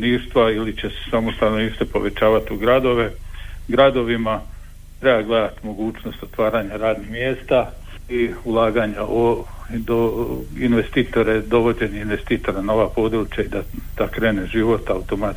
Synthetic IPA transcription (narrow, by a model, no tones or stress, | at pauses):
niːɾʃt̪ʋailit͡ɕe̞se̥samost̪annoniːʃt̪epo̞̰ʋe̞t͡ɕaːʋat̪uɡɾad̪o̞ʋe̞ɡɾad̪o̞ʋima | t̪ɾe̞baɡled̪at̪imo̞ɡuːt͡ɕno̞st̪o̞t̪ʋaːɾaɲaɾaːd̪nihmjeːst̪a | iulˠaːɡaɲaʔod̪oinʋe̞st̪iːt̪o̞ɾe̞d̪o̞ʋo̞d͡ʑe̞niinʋe̞st̪iːt̪o̞ɾanaoʋapo̞d̪ɾut͡ɕjaid̪ad̪̥akɾe̞ːne̞ʒiʋo̞t̪aut̪o̞mat̪